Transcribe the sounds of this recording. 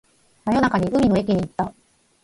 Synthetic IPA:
najo̞nakaɲ̟iʔɯ̟mʲino̞e̞kʲiɲ̟iːt̪ːa

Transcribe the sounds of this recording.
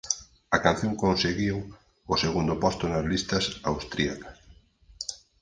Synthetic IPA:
ɐkan̟θjõŋkõnseɣiw | ʊseɣund̪ʊpɔst̪ʊnazlist̪ɐsawst̪ɾiakɐ̥s

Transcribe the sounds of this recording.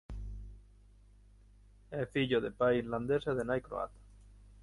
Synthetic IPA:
efiʎoðepaiɾland̪eseðenajkɾo̰a̰t̪ḁ

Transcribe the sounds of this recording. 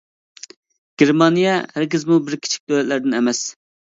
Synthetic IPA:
ɡ̥ʲeɾmɑnijɛhæɾɡʲizmubɪɾkʲʰi̥t͡ʃʰi̥k̚ʲd̪øwlɛt̪læɾd̪ɪnɛmɛs

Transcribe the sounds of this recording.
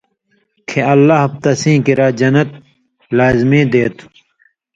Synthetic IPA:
kʰeɐlːaɦɐb̚t̪ɐsĩːkiɾaːd͡ʑɐnɐt̪̚ | laːzmĩːd̪eːt̪ʰu̥

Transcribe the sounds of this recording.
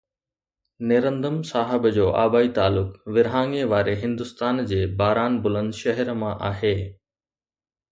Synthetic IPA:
nɪɾə̃nd̪əmsaːɦɪbd͡ʑoːʔaːbaːit̪aːlʊkʋɪɾɦaːŋeʋaːɾeɦɪ̃nd̪ʊst̪aːnd͡ʑeːbaːɾaːnbʊlə̃nd̪ʃɐɦəɾmãʔaːɦeː

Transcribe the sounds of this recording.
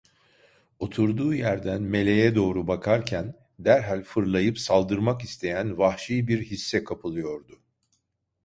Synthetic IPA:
o̞t̪ʰuɾd̪uːjæɾd̪ænme̞lʲe̞jɛd̪o̞ːɾubakʰaɾcʰæn | d̪æɾɦalʲfɯɾlˠajɯpsalˠd̪ɯɾmakist̪ʰe̞jænvahʃijbiɾhisːɛkʰapʰɯlˠɯjo̞ɾd̪ʊ

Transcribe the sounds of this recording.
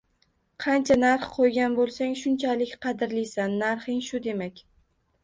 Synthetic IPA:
qʰɑnt͡ʃʰanaɾχqʰojɡʲanbolˠsaŋʃʊnt͡ʃʰalɪkʲqʰɑd̪ɪɾlisanːaɾχɪŋʃʊd̪e̞makʲ

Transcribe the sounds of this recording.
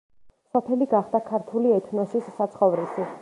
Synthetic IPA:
sɔpʰɛliɡaχd̪akʰaɾt̪ʰuliɛt̪ʰnɔsisːat̪sʰχɔvɾisi

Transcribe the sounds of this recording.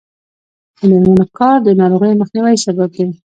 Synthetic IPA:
d̪əmalmanakɑɾd̪ənɑɾoɣəjməxniwajsabab̚kawi

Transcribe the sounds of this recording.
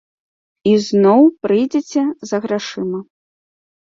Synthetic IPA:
iznɔwpɾɨjd͡zʲɛt͡sʲɛzɐɣɾaʂɨmɐ

